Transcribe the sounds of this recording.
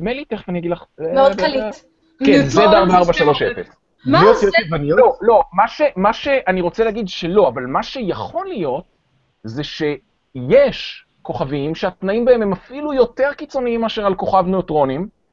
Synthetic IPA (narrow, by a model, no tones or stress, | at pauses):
dmeliteχvanijaɡidlaχmeodkali | kezed̪aʁbaaʁbaʃalo̞ʃefes | meotoivanijololo̞maʃe̞maʃe̞ʔaniʁo̞t͡seleaɡidʃe̞lo̞avalmaʃe̞jaχo̞lijo̞t̚ | zeʃe̞ | jeʃ | ko̞χavimʃeat̪naimbaememafilujo̞te̞ʁkit͡so̞niimaʃeʁalko̞χavneotʁo̞nim